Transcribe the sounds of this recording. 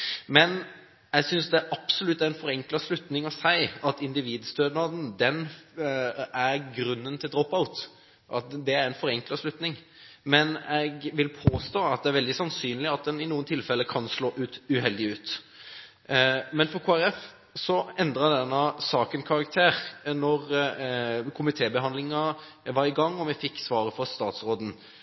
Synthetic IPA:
mɛn | ɛɪɡsʏnsd̪ɛæʔɑb̥sɔlʉt̪ːæɾɛnfɔɾɛŋklɑslʉt̪nɪŋɔsæɪɑt̪ɪnd̪ɪʋiːd̪st̪øːd̪nɑd̪n̩d̪ɛn | æɾɡɾʉnːənt̪ʰɪld̪ɾɔpaʊt̪ | ʔɑt̪d̪ɛæɾɛnfɔɾɛŋklɑslʉt̪nɪŋ | mɛnɛɡʋɪlpʰoːst̪oːɑt̪̚d̪ɛæɾʋɛld̪ɪsɑnsyːnlɪɑt̪̚d̪ɛnɪnuːənt̪ʰɪlfɛlːəkʰɑnsloːʔʉːt̪ʉɦɛld̪ɪʉːt̪ | mɛnfɔkʰoːæɾɛf | sɔɛnd̪ɾɑd̪ɛnːɑsɑːkənkʰɑɾɑk̚t̪ʰeːɾnɔʁ | kʰʊmɪt̪ʰeːbəɦɑnd̪lɪŋɑ | ʋɑɾɪɡɑŋːɔmɛfɪkːsʋɑːɾəfɔɾst̪ɑːt̪sɾoːd̪n̩

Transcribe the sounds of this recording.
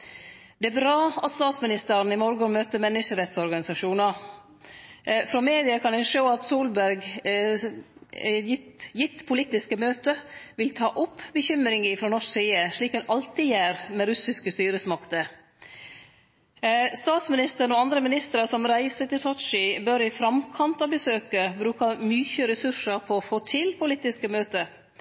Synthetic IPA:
d̪ɛæbɾɑːɑt̪st̪ɑːt̪smɪnɪst̪əɾnɪmɔɾɡəmøːt̪əmɛnːɪʂəɾɛt̪sɔɾɡɑnɪsɑʂuːnɑ | fɾomeːd̪ɪɑkʰɑnd̪ɛʂoːɑt̪suːlbæɾɡ | jɪt̪ːpʰʊlɪt̪ːɪskəmøːt̪əʋɪlt̪ʰɑ̰ːʔʊpːbəçʏmɾɪŋɪfɾɔnɔʂsiːəʂɭiːkhʉnʔɑlt̪ɪjæːɾmɛɾʉsɪskəst̪yːɾəsmɑkt̪ə | st̪ɑːt̪smɪnɪst̪əɾnɔɑnd̪ɾəmɪnɪst̪əɾɑsɔmɾæɪsət̪ɪlsɔʃɪbœɾɪfɾɑmkʰɑnt̪ɑbəsøːkəbɾʉːkɑmyːçəɾɛsʉʂəɾpʰɔɔfoːt̪ʰɪlpʰʊlɪt̪ːɪskəmøːt̪ə

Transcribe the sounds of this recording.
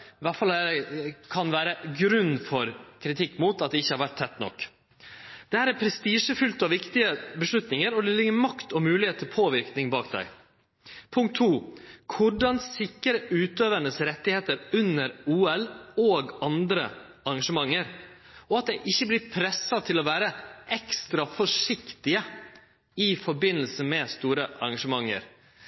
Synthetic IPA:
ʋæʈfɑlæɛkʰɑnʋæːɾəɡɾʉnːfɔɾkʰɾɪt̪ʰɪkːmuːt̪ɑt̪̚d̪ɛɪçːəhɑɾʋæʈ̚t̪ʰɛt̪ːnɔ̰kː | d̪̥ɛhæːɾæɾpʰɾɛst̪iːʂəfʉlt̪ɑʋɪkt̪ɪəbəʂɭʉt̪nɪŋəɾɔd̪ɛlɪɡəɾmɑkt̪ɔmʉːlɪheːt̪ʰːɪlpʰoːʋɪɾknɪŋbɑːkd̪æ̰ɪ | pʰʊŋkt̪ʰːuːkʰʊɖɑnsɪkːəɾəʉːt̪øːʋəɳəsɾɛt̪ːɪheːt̪əɾʉnːəɾuːɛloːɡɑnd̪ɾə̰ | ɑɾɡɑʂəmɑŋːəɾ | ɔɑt̪̚d̪ɛɪʔɪçːəblɪɾpʰɾɛsːɑt̪ʰɪlɔʋæːɾəɛkst̪ɾɑfɔʂɪkt̪ɪə | ɪfɔɾbɪnːəlsəmɛst̪uːɾəʔɑ̰ɾɑɡɑʂəmɑŋːə̰ɾ

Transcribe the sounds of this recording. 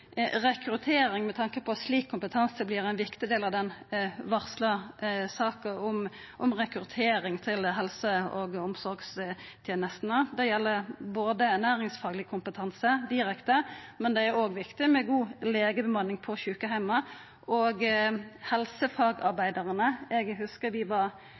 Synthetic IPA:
ʁɛkɾʉt̪ʰeːɾɪŋmɛt̪ʰɑŋkəpʰɔt̪sliːkʰːʊmpət̪ʰɑnsəblɪɾɛnʋɪkt̪ɪd̪eːlɑʋd̪ɛnʋɑʁsləsɑːkəʊm | ʔʊmʁɛkɾʉt̪ʰeːɾɪŋt̪ʰɪlɦɛlsəoːɡʊmsɔɾɡs | t̪ʰjeːnəst̪nəd̪ɛjɛlːəboːd̪əæʁnæːɾɪŋsfɑːɡlɪəkʰʊmpət̪ʰɑnsəd̪ɪɾɛkt̪əmɛnd̪ɛæɾoːɡʋɪkt̪ɪmɛɡuːleːɡəbəmɑnːɪŋpʰɔɕʉːkəɦæɪmɑ | ʔoːɡhɛlsəfɑːɡɑɾbæɪd̪ɑʁənəɛɡhʉskəʋɪʋɑɾ

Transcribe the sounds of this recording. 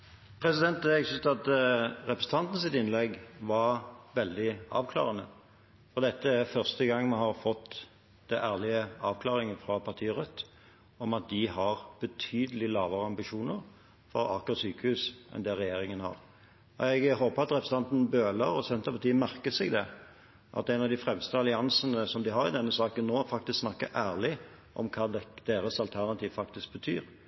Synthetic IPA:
pʰɾɛsɪd̪ɛnt̪̚d̪ɛɡsʉst̪ɑt̪ɾɛpɾəsn̩t̪ʰɑnt̪n̩sɪt̪ɪnlɛɡʋɑɾʋɛld̪ɪɑ̰ːʋkʰlɑ̰ːʁənə | fɔʁd̪ɛt̪ːəæfœʁst̪əɡɑŋːmɑhɑɾfɔt̪ː | d̪ɛʔæːʁlɪəɑːʋkʰlɑːɾɪŋəfɾɑpʰɑʁt̪ʰiːəʁœt̪ː | ɔmɑt̪̚d̪ɪɦɑɾb̥ət̪ʰyːd̪əlɪlɑːʋəɾəɑmbɪʃuːnəɾ | fɔɾɑkɔɾt̪syːkəhʉːsʔɛ̰nd̪ɛɾʁɛjeːɾɪŋənhɑ̰ɾ | ɔ̰ɛɡhoːpəɾɑt̪ɾɛpɾəsn̩ɑnt̪n̩bøːləɾɔsɛnt̪əpʰɑt̪iːəmæɾkəsɛɡd̪ɛ | ʔɑ̰t̪æɛɪnɑʋd̪ɪfɾɛmst̪əɑlɪɑnsənəsɔmd̪ɪɦɑɾɪd̪ɛnːəsɑːkənːoːfɑk̚t̪ɪsksnɑkːə̰ʔæːʁlɪ | ʔɔ̰mkʰɑːd̪̥eːɾəsɑlt̪ʰæʁnɑt̪ʰiːʋfɑk̚t̪ɪsk̚bət̪ʰyːɾ

